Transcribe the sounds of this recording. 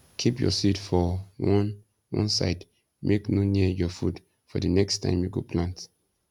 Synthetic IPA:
kʰipjɔ̰sitfɔwɔ̃n | wɔ̰̃nsa̰ɪd | mʔeknoniəjɔfud | fɔdənɛkstʰã̰ɪ̃mjuɡopʰlãnt

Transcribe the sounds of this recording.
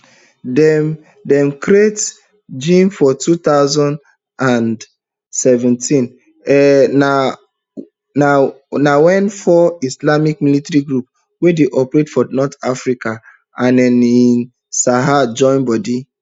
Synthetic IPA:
dɛ | dɛ̃mkɾiet | d͡ʒĩnfɔtut̪aʊzɔ̃nd | ãn | sɛvɛ̃ntĩn | ɛna | na | nawɛ̃nfɔislamik̚militɾiɡɹup | wedeʔɔpɾetfɔnɔtafɹika | ãnɛ̃nĩn | saɦad͡ʒɔ̃ɪ̃nbɔdi

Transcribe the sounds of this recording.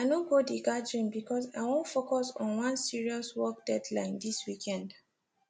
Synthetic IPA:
anõɡodiɡadɔ̃nbikʰɔsa̰ɪwõntfokɔsɔ̃nwãnsiɹiɔswɔk̚d̥ɛdlã̰ɪ̃ndiswikʰɛ̃nd

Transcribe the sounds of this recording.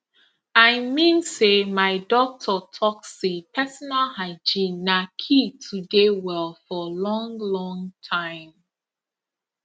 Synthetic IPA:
aɪmĩnsemaɪdɔk̚tʰɔtʰɔksipʰɛsɔnalhaɪd͡ʒĩnːakʰitʰudewɛlˠfɔlɔ̃ŋlɔ̃ŋtʰãɪ̃m

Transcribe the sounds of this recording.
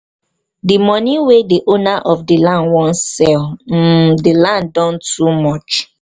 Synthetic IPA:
dimɔniwediʔonaʔɔfdilãnwɔ̃nsɛlm̩dilãndɔ̃ntumɔt͡ʃ

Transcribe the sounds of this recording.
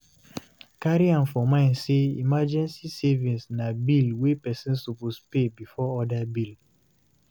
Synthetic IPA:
kaɾiãnfɔmãnseḭmad͡ʒɛ̃nsisevĩnsnabilwepɛsĩnsupospebifɔɔdabil

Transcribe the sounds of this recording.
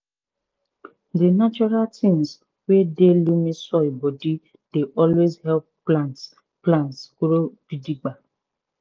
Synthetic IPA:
dinat͡ʃɔɾaltʰĩŋs | wedelumisɔibɔdi | d̥eʔɔlwezhɛlpː | lant | plãntskɾod̥idiɡ͡ba

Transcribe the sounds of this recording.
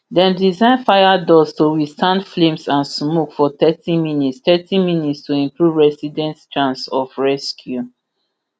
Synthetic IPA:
dɛ̃mdizãɪ̃nfajadɔstuwistãndflẽmsãnsmokfɔt̪ɛtĩminitstɛtĩminitstʰuĩmpɹuvɹɛsidɛ̃ntt͡ʃãnsɔfɹɛskʰju

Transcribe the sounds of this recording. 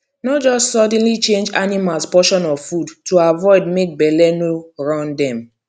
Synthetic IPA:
nɔtd͡ʒɔstsɔd̃nlit͡ʃẽnd͡ʒanimalspɔʃɔ̃nɔvfudtoavɔɪd̚mek̚bɛlɛnoɹãndɛ̃m

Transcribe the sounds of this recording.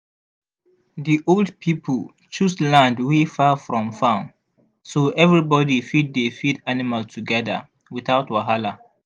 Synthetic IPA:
ðiʔoldpʰipʰəl | t͡ʃuslãndwefafɹɔ̃mfãʊ̃n | soʔɛvɹibɔdifid̚defidanimaltʰuɡɛðə̰ | wiθaʊtwaɦala

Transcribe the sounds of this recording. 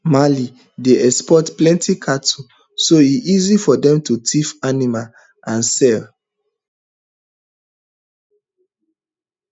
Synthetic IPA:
mali | deʔɛkspɔtplɛ̃ntʰikʰatu | soiʔizifɔdɛ̃mtutʰifanimal | ãnsɛl

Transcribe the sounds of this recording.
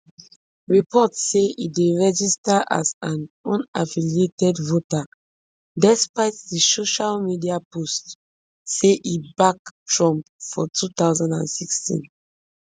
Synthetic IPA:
ɹipʰɔtseideɹɛd͡ʒistaʔa̰zãnɔ̃nafilietɛdvota | dɛspaɪt̚disoʃalmidiapost | seʔibak̚tʰɹɔ̃mpfɔtut̪aʊzãndã̰nsikstḭ̃n

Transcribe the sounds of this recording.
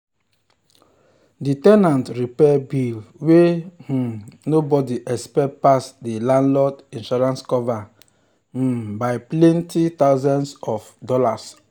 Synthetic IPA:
ditɛnãntɹipɛbilwe | nobɔdiʔɛspɛt̚pasdilãnlɔtĩnʃɔɹãnskɔva | baɪplɛ̃ntit̪aʊzãnsɔfdɔlas

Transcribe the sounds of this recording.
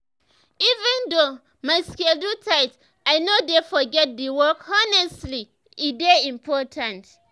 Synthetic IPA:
ivɛ̃ndo | maɪskeldutʰaɪt | aɪnodefɔɡɛt̚diwɔkɔnɛstli | ideĩmpʰɔtʰãnt

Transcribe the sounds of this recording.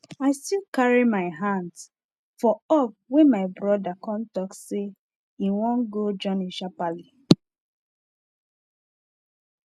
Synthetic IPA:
aɪstilkaɹimaɪɦãnds | fɔɔp̚wɛ̃maɪbɹɔdakɔ̃ntɔkse | iwɔ̃nɡod͡ʒɔ̃niʃapali

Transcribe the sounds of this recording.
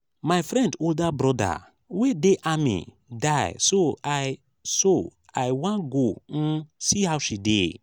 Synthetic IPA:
maɪfɾɛ̃ndoldabɾɔda̰ | wedeʔamḭ | daɪsoaj | so | ajwãnɡon̩sihawʃidḛ

